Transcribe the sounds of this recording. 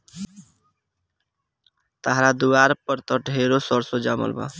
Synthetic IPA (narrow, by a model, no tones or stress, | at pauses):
t̪əɦɾad̪uwaɾpəɾt̪əʈɦeɾosɔɾsod͡ʒamə̰lba̰